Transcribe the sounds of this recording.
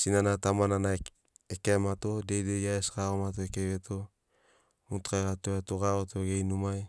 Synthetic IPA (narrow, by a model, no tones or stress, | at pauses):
sinanatamanana | ekemato̞dejdejaeskaomat̬oekeβetʰo̞ | mutkajɡatoetoɡaotoɡejnumaj